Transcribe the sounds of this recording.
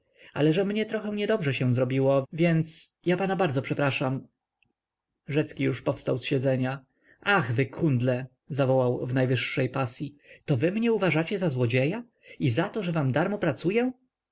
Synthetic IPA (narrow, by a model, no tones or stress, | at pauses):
a̰lɛʐɛmɲɛt̪ɾɔxɛw̃ɲɛd̪ɔbʐɛɕɛ̃zɾɔbʲiwɔvʲjɛnt̪sjapanabaɾd̪zɔpʂɛpɾaʂam | ʐɛt̪skʲijuʂpɔfst̪awsɕɛd̪zɛɲa | axvɘkʰund̪lɛ | zavɔwawvnajvɘʂːɛjpasʲjit̪ɔvɘmɲɛuvaʐat͡ɕɛzazwɔd͡ʑeja | izat̪ɔʐɛvamd̪aɾmɔpɾat̪sujɛ